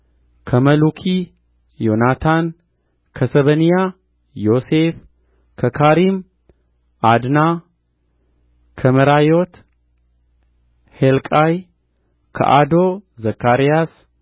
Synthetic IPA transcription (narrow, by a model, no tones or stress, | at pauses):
kʰəməlukʰi | jo̞nat̪ʰan | kʰəsəβənija | jo̞sef | kʰəkʰaɾim | ʔad̪na | kʰəməɾajot̪ | helkʼaj | kʰə̰ʔad̪ozəkʰːaɾijas